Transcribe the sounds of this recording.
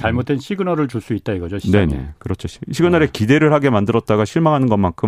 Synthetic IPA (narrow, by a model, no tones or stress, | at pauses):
t͡ɕaɭmot̚t͈wenɕʰiɡɯnʌɾɯɭt͡ɕuɭs͈uit̚t͈aiɡʌd͡ʑoɕʰine̞ne̞̰kɯɾʌt͡ɕʰoɕʰiɕʰiɡɯnʌɾekide̞ɾɯɭhaɡe̞mandɯɾʌt̚t͈aɡaɕʰiɭmaŋɦanɯnɡʌnmankʰɯ